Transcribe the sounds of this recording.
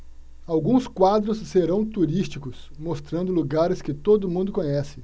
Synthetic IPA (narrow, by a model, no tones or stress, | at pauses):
awɡũskwad̪ɾʊsːeɾɐ̃w̃t̪uɾist͡ʃikʊs | most̪ɾɐ̃nd̪ʊluɡaɾɪskɪt̪od̪ʊmũnd̪ʊkõɲɛsɪ̥